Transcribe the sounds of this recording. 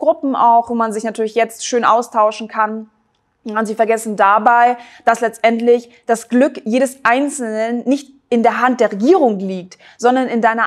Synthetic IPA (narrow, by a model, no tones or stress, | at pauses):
ɡ̥ʁʊpm̩aʊxvoːmanzɪçnatʰyːɐlɪçjɛt͡stʃøːnʔaʊstʰaʊʃn̩kʰan | ʊntz̥iːfɛɐɡɛsn̩dabaɪd̥aslɛt͡stʔɛntlɪç | d̥asɡ̥lʏkjeːdəsʔaɪnt͡sl̩nənːɪçt | ɪndeːɐɦant̚d̥eːɐʁeɡiːʁ̞ʊŋliːk̚t | z̥ɔndɐnɪndaɪnɐ